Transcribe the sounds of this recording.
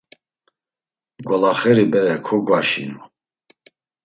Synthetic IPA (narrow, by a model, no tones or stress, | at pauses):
ɡɔlaχɛɾibɛɾɛkʰɔɡwaʃḭnu